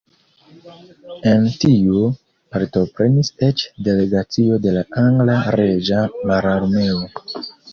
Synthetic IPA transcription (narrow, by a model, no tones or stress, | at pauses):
e̞ntiu | paɾto̞pɾe̞niset͡ʃde̞le̞ɡat͡sio̞de̞laʔaŋɡlaɾed͡ʒamaɾaɾme̞o